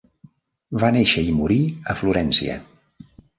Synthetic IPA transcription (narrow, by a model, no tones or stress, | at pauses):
βaneʃəimuɾiəfluɾɛnsḭə̰